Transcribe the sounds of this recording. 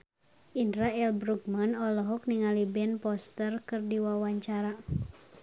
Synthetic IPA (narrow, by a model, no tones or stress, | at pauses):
indɾaɛlbɾuk̚manɔlɔɦɔk̚niŋalibɛnpɔst̪ərkɨrdiwawaɲt͡ʃaɾa